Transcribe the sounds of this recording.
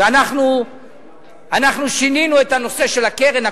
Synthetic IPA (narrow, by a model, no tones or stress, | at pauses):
anaχnu | anaχnuʃininue̞t̪hano̞se̞ʃe̞lake̞ʁena